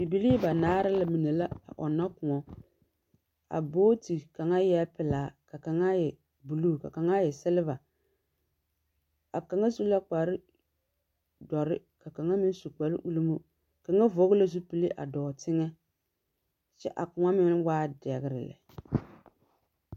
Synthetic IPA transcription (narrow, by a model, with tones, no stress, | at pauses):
i˨bi˨li˦ba˨naː˦ɾɪ˦la˨mi˨ne˨la˦a̰˨ʔɔ˨nːa˦kʊ˨ŋɔ˦ | a̰˨boː˦ti˨ka˨ŋa˦jɛ˦pɪ˨laː˨˦ka˨ka˨ŋa˦jɛ˨ | bu˨lu˦˨ka̰˨ka˨ŋa˦jɛ˨sɪ˦lɪ˦va˨ | a˨ka˨ŋa˦su˦la˦k͡pa˨ɾɪ˦ | dɔ˨ɾɪ˦ | ka˨ka˨ŋa˦mɪ˦n˦su˨k͡pa˨ɾɪ̰˦ʔu˦lu˦mu˦ | ka˨ŋa˦vo˨˦ɣʊ˦la˦s̬u˦pi˦li˦ʔa̰˨dɔː˨tɪ˦ŋɛ˦ | t͡ʃɛ̰˦ʔa˨kʊ˨ŋa˦mɪ˦nwaː˦dɛ˨ɣɪ˨ɾɪ̰˨lɛ̰˨